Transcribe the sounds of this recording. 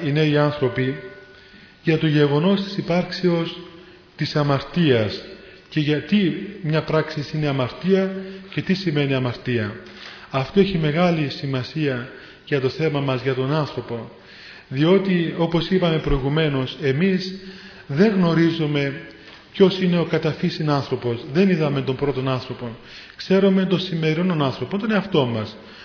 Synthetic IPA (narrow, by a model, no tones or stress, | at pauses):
ineiɐnθɾo̞pi | ʝɐt̪oʝe̞ɣo̞no̞st̪i̥sipɐɾkseo̞s | t̪isɐmɐɾt̪iɐs | ce̞ʝɐt̪imɲɐpɾɐksisineɐmɐɾt̪iɐce̞t̪isime̞niɐmɐɾt̪iɐ | ɐft̪o̞eçime̞ɣɐlisimɐsiɐ | ʝɐt̪o̞θe̞mɐmɐzʝɐt̪o̞nɐnθɾo̞po̞ | ðio̞t̪io̞po̞sipɐme̞pɾo̞iɣume̞no̞se̞miz | ðe̞ŋɣno̞ɾizume̞ | pço̞sine̞o̞kɐt̪ɐfisinɐnθɾo̞po̞zðe̞niðɐme̞t̪o̞mbɾo̞t̪o̞nɐnθɾo̞po̞n | kse̞ɾume̞t̪o̞nsimːe̞ɾinononɐnθɾo̞pont̪oneɐft̪o̞mɐs